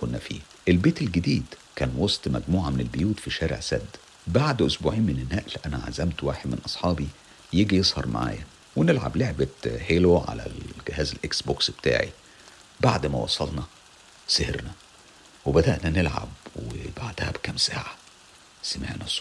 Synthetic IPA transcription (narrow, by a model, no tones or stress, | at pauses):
konːæfḭː | ʔelbeːt̪elɡed̪iːd̪kæːnwɑsˤt̪ˤmæ̰ɡmuːʕamenelbejuːt̪fiʃæːɾḛʕsæ̰d̪ː | baʕd̪ʔosbuʕiːnmenenːæːʔlʔænæʕa̰zæmt̪waːħed̪mḛnʔɑsˤħɑːbi | jeːɡijesˤhɑɾˤma̰ʕa̰ːjæ | wenelʕa̰bleʕbæheloʕa̰læ̰ɡehæːzelʔeksboksb̥et̪a̰ːʕḭ | baʕd̪mæwɑ̰sˤɑlnɑ | seheɾnæ | webæd̪æʔnænelʕa̰bwebaʕd̪æhæbkæmsa̰ːʕa | sæmeʕnæsˤ